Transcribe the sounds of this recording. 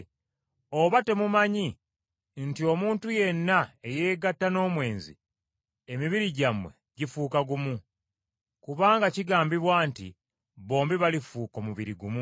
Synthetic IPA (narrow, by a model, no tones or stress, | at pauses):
o̞βate̞mumaɲi | ntio̞muːntuje̞nːae̞je̞ːɡatːano̞ːmwe̞ːnzḭ | emiβiɾiɟamwe̞̰ | ɟifuːkaɡumu | kuβaːŋɡaciɡaːmbiβwaːntḭ | βo̞ːmbiβalifuːko̞muβiɾiɡumu